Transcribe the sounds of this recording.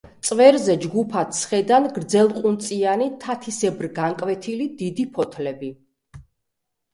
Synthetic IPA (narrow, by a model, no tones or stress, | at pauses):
t̪sʼvɛɾzɛd͡ʒɡupʰat̪sχɛd̪anɡɾd̪zɛlˠqʼunt̪sʼianit̪ʰat̪ʰisɛbɾɡaŋkʼvɛt̪ʰilid̪id̪ipʰɔt̪ʰlɛbi